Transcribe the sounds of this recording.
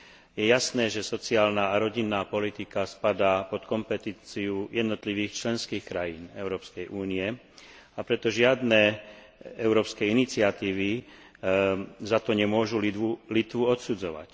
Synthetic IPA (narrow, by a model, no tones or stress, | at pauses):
jɛjasnɛːʒɛsɔt͡siaːlnaːɾɔɟinːaːpɔlit̪ikaspad̪aːpɔt̪kɔmpɛt̪iːt͡siujɛd̪nɔt̪liʋiːxt͡ʃlɛnskiːxkɾajiːnɛʊɾɔːpskɛjʔuːniɛ | apɾɛt̪ɔʒɪad̪nɛː | ɛʊɾɔːpskɛinit͡sɪat̪iːʋi | zat̪ɔɲɛmʊɔʒuulit̪ʋuɔt̪sud͡zɔʋa̰c